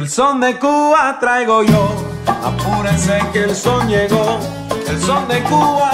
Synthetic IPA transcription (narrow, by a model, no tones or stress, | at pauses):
elsond̪ekuβat̪ɾajɣojo | a̰puɾesekelsonjeɣo | elsond̪ekuβa